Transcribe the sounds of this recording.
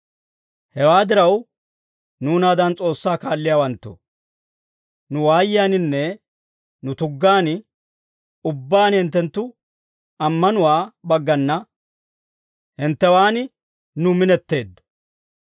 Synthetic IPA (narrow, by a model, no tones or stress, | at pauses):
hɛwaːd̪ɪɾɐw | nuːnaːd̪ɐnt͡sʼo̞ːsːaːkaːlːɪjaːwɐnt̪ːʊ̰ | nʊwaːjɪjaːnɪnːɛ | nʊt̪ʊɡːaːn | ʊbːaːnhɪnt̪ːɛnt̪ːʊ | ɐmːɐnʊwaːbɐɡːɐnːɐ | hɪnt̪ːɛwaːnɪ | nʊmɪnɛt̪ːe̞ːd̪ːɔ̥